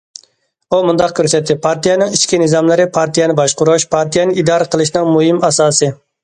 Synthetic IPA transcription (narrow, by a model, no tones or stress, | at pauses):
umund̪ɑqkʲʰøɾsɛt̪ʰːɪpʰɑɾt̪ʰijɛnɪŋit͡ʃkʲinɪzɑmlɪɾɪpʰɑɾt̪ʰijɛnɪbɑʃqʊɾʊʃpʰɑɾt̪ʰijɛnɪid̪ɑːɾəqʰəlˠɨʃnɨŋmuɦɪmɑsɑːsɨ